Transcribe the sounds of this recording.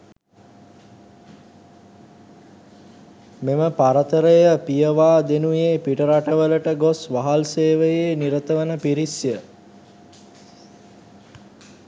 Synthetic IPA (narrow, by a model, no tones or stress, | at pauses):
meməpaɾət̪əɾəjəpijəʋaːd̪enujeːpiʈəɾaʈəʋələʈəɡosʋaɦalseːʋəjeːniɾət̪əʋənəpiɾisjə